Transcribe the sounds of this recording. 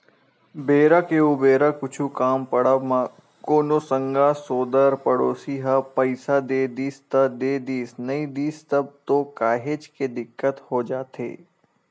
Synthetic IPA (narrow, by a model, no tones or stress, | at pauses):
beːɾakeubeːɾakʊt͡ʃʰukaːmpəɽəʋmã | koːnosə̃ŋɡasoːd̪əɾpəɽoːsiɦapɐɪsad̪eːd̪iːst̪əd̪eːd̪iːsnɐĩd̪iːst̪əb̚t̪okaːɦet͡ʃked̪ɪkːət̪hod͡ʒaːt̪ḛː